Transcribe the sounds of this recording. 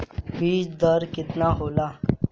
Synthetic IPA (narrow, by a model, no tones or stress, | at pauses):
biːd͡ʒd̪əɾkɪt̪naːɦoːlaː